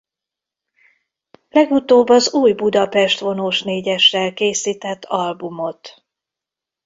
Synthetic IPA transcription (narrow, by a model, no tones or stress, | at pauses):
lɛɡut̪oːbːɒzuːjbud̪ɒpɛʃt̪ʋo̞noʃneːɟɛʃːɛlkeːsiːt̪ɛt̪ʰːɒlbumo̞t̪